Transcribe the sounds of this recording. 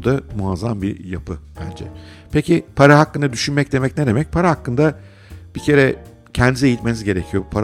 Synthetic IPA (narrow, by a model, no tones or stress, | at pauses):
d̪amuazambijapʰɯb̥æ̰nd͡ʒɛ̰ | pecipʰaɾaɦakːɯnd̪ad̪yʃynmɛc̚d̪e̞mɛcned̪e̞mɛc̚pʰaɾahakːɯnd̪a | b̥icʰe̞ɾɛ | cʰɛnd̪ize̞jit̪menizɟe̞ɾecʰijopʰaɾ